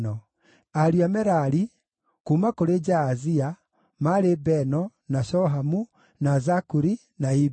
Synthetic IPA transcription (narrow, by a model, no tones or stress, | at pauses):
nɔ | aɾiamɛɾaɾi | kuːmakoɾed͡ʒaːzia | maɾebɛnɔnaʃɔɦamu | nazakuɾi | nai